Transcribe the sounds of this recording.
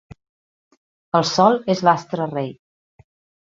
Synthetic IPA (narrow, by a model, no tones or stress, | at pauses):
əlˠsɔlˠezlast̪ɾərej